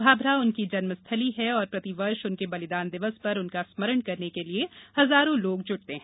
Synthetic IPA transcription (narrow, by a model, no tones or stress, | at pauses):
bʱaːbɾaʊnkid͡ʒɐnməst̪ʰəliɦɛɔːɾpɾɐt̪iʋɐɾʃʊnkebɐlɪd̪aːnd̪ɪʋəspɐɾʊnkasmɐɾəɳkɐɾnekeliehɐzaːɾõloːɡ̚d͡ʒʊɽt̪eɦɛ̃ː